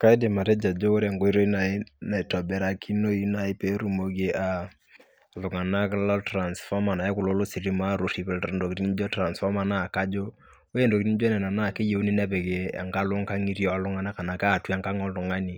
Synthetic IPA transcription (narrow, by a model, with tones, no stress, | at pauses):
ka˦i˦de˨ma˨ɾe˦d͡ʒa˨d͡ʒo˦o˦ɾa˨ŋɡo˦i˦ɾo˦i˦na˨ɪ˦na˨tɔ˨bɛ˨ɾa˨kʰi˦no˦i˦na˨ɪ˦pe˨˦ɾu˨mo˨ɡe˦ʔa˨ | lʊ˨ŋa˨na˦kla˦tɾa˨nsfɔ˦ma˨na˨je˦kʊ˨lo˦lo˦si˨ɾi˦ma˦ɾo˨si˨pɛ˨ltndo˨ki˨ɾi˦ni˦d͡ʒɔ˦tra˨nsfɔ˦ma˨na˦˨ka˦d͡ʒo˦ | we˦ndo˨ki˦i˦n˦d͡ʒɔ˦nɛ˨na˨na˦˨ke˦je˨u˦ni˦nɛ˦bɛ˨ɡe˨a̰˨ŋka˦lʊ˦ŋka˦ŋi˦ɾjɔ˦a˨lʊ˦ŋa˦na˦ka˨na˨ka˦˨tu˦a˨ŋka˦ŋɔ˦llʊ˨ŋa˦ni˨